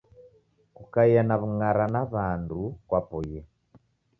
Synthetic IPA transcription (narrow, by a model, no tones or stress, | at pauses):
kukaijanaβuŋaɾanaβaːndukwapoje